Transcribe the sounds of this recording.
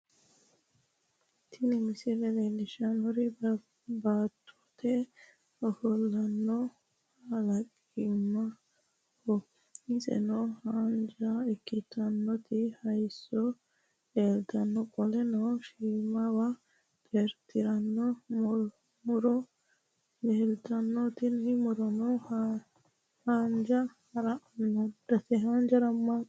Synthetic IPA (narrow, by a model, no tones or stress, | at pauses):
t̪ʰɪnɪmɪsɪlɛlelɪʃɐnɔɾɪ | baːt̪ʰːɔ̥t̪ʰɛ | ɔhɔlːɐnːɔ | ɐlɐkʼ | imːɐ | hɔ | ɪsɛ̰nɔhaːnd͡ʒaɛkːɪt̪ːɐnːɔt̪ɪhɐjsɔ | eːlt̪ɐnːɔkʼɔlɛnɔʃiːmɐwa | t̪ʼɛɾt̪ɪɾɐnːɔm | mʊɾɔ | neːlt̪ɐnːɔt̪ɪnhɪmʊɾɔnɔ | hand͡ʒahɐɾaʔnːɔdɐtɛɦand͡ʒɐɾɐmːa